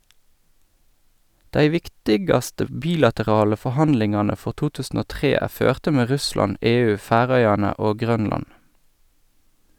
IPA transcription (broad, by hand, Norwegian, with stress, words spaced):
ˈdæɪ ˈʋɪktɪɡɑstə ˈbiːlɑtəˌʁɑːlə fɔˈhɑnlɪŋɑːnə ˈfɔʁ ˈtuː ˈtʉːsn̩ ˈoː ˈtʁeː ˈæː ˈføːʁtə ˈmeː ˈʁʉslɑn ˈeːˌʉː ˈfæːˌʁœʏɑnə ˈoː ˈɡʁœnlɑn